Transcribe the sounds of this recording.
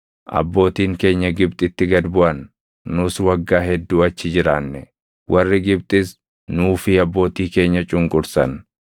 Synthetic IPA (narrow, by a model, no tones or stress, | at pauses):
ʔɐ̰bːo̞ːt̪iːŋke̞ːɲːɐɡɪb̚t̪ʼɪt̪ːɪɡɐd̪bʊʔɐnː | ʊswɐɡːaːɦɛd̪ːuːɐt͡ʃːɪd͡ʒɪɾaːnːɛ | wʔɐrːɪɡɪb̚t̪ʼɪs | nuːfɪɐbːo̞ːt̪iːke̞ːɲːɐt͡ʃʼʊŋkʼʊɾsɐ̰n